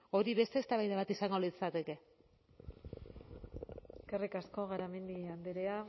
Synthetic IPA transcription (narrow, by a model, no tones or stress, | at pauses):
o̞ɾiβe̞st̪e̞ːst̪aβajðaβat̪isaŋɡo̞lit͡sat̪e̞ke̞ | karikasko̞ɣaɾame̞nd̪iand̪eɾea